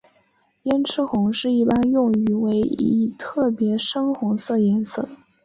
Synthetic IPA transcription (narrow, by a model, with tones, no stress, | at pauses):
jɛ˥nʈ͡ʂʰɻ̩˥xʊ˧˥ŋʂɻ̩˥˧i˥˩pa˥njʊ˥˩ŋy˧˩we˧˥ɪḭ˧˥˩t̪ʰɤ˥˩pjɛ˧˥ʂɤ˥ŋxʊ˧˥ŋsɤ˥˩jɛ˧˥nsɤ̰˥˩